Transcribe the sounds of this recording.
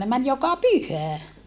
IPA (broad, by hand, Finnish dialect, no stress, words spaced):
ne mæn jokɑ pyhæ